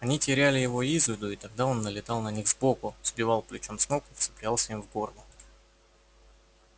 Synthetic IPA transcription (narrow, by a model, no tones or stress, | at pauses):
ɐnʲitʲɪɾʲælʲɪjɪvo̞izvʲɪd̪ʊit̪ɐɡ̚d̪ao̞nːəlʲɪt̪ɑlˠnɐnʲiɣzbo̞kʊz̥bʲɪvɑlˠplʲʊt͡ɕo̞msmokʊfsɨ̥plʲalˠsʲəimvɡo̞rlˠʊ